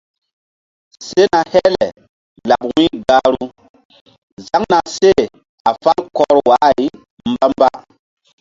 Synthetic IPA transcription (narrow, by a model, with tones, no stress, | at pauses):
se˦na˨hɛ˦lɛ˨ | la˨p̚wĩ˦ɡa˦ɾu˦ | za˦ŋna˨se˦˨ | a˨fa˦lkɔ˨˦ɾwa˨˦˨i˦ | mba˦mba˦